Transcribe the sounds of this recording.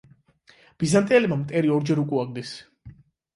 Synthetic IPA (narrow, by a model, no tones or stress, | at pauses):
b̥izant̪ʼiɛlɛbmamt̪ʼɛɾiɔɾd͡ʒɛɾukʼuaɡd̪is